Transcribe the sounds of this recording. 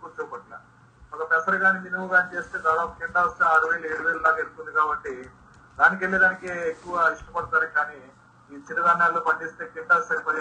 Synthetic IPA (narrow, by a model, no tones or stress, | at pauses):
kut͡ʃupɐʈla̰ | ɔkɐpɛsɐɾɐɡaːniʋ̪inumuɡaːnit͡ʃe̞ːst̪eːd̪aːɽaːokːeɳʈaːʋɐst̪eːaːɽuʋeːlɐeːɽuʋeːlɐlaːkelut̪und̪ikaːbɐʈːi | d̪aːnik̬elːiɖaːnikeːekːuʋɐiʂʈɐpɐɽut̪aːɾɐkaːniː | iːt͡ʃinɐdanːaːlːoːpɐɲd͡ʒeːst̪eːkiɳʈaːsɐɾipɐɾ